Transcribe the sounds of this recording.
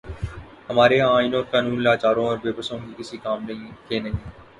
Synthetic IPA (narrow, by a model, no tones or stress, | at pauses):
ɦɐmaːɾeaːɪnoːɾkaːnuːnlaːt͡ʃaːɾõɔːɾʋeːbəsõkikɪsikaːmnɐ̃kenɐɦĩ